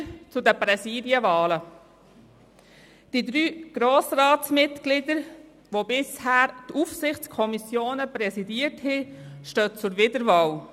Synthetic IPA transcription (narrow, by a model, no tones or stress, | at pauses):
t͡sʊdəpɾɛsiːdjəvɑːlə | d̥idɾyːɡ̥ɾoːsrɑːtsmɪtɡ̥lɪdəɾ | ʋobɪshæːɾtufsɪχt͡skʰɔmisjoːnəpɾɛsidiəthiʃtøːt͡sʊɾvɪdəɾvɑːl